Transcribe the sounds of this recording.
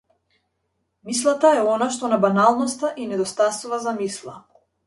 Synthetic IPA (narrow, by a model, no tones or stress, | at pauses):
mis̬lˠat̪aɛɔnaʃt̪ɔnabanalˠnɔst̪aʔinɛd̪ɔst̪asuvazamislˠa